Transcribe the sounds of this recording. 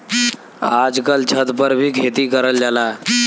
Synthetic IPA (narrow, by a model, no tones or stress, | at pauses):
ad͡ʒkalt͡ɕʰət̪pəɾbʱiːɡʰʱet̪iːkəɾəld͡ʑala